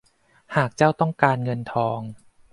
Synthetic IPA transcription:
haː˨˩k̚t͡ɕaː˥˩wt̪ɔ˥˩ŋkaː˧nŋɤ˧nt̪ʰɔː˧ŋ

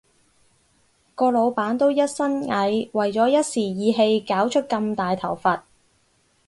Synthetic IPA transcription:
kɔː˧lo˨˧wpaː˨˥nt̪o˥wjɐ˥t̚sɐ˥nŋɐ˨˥jwɐ˨jt͡sɔː˨˥jɐ˥t̚siː˨˩jiː˨˧ɦe˧jkaː˨˥wt͡ʃʰɵ˥t̚kɐ˧mt̪aː˨jt̪ʰɐ˨˩wfɐ˨t̚

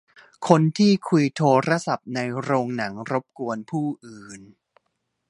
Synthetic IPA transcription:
kʰo˧nt̪ʰiː˥˩kʰu˧jt̪ʰoː˧ɾa˦˥sa˨˩p̚na˧jɾoː˧ŋna˩˦ŋɾo˦˥p̚ku˧ənpʰuː˥˩ʔɯː˨˩n

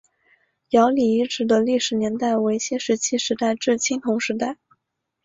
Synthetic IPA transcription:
jɑ˧˥ʊli˨˩i˥˩ʈ͡ʂɻ̩˧˥d̪ə˧li˥˩ʂɻ̩˨˩njɛ˧˥nt̪a˥˩ɪwe˧˥ɪɕjɛ˥ʂɻ̩˧˥t͡ɕʰi˥ʂɻ̩˧˥t̪a˥˧ɪʈ͡ʂɻ̩˥˩t͡ɕʰi˥ŋt̪ʰʊ˧˥ŋʂɻ̩˧˥t̪̬a˥˩ɪ

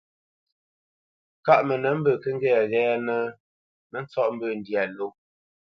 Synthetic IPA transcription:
ka˦˨ʔmə˨nə˨˦m̩˦bə˨kə˦ŋ̩˦ɡɛ˦˨ɣɛː˦nə˦ | mə˦n̩˦t͡sɔ˦ʔm̩˦bə˦˨n̩˨dja˨lo˦˨

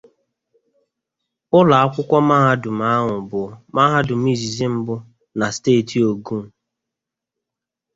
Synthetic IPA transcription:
ʊ˦la˨a˦kʷʊ˦kʷɔ˦ma˦ɦa˦dʊ˨m̩a˦ŋʊ˨bʊ˨ma˦ɦa˦dʊ˨m̩˦i˦zi˨zi˦m̩˦bʊ˦ | na˨steː˦˨tʰi˨o˨ɡu˦m̩˨

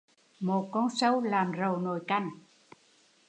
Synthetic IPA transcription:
mo˨˩t̚kɔ˧˥nsə˧wlaː˨˩mzə˨˩wno˨˩jka˧˩ŋ

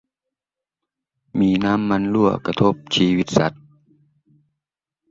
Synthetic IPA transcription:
miː˧˩naː˦˥mːa˧˥nlu˧˩ɐka˧t̪ʰo˧˥˩p̚t͡ɕʰiː˧˥wi˧˦t̪̚sa˧˦t̪̚

